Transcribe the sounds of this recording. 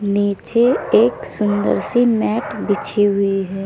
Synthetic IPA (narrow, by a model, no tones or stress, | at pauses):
niːt͡ʃeeːksʊnd̪ə̰ɾsimɛːʈbɪt͡ʃʰiɦʊiɦɛː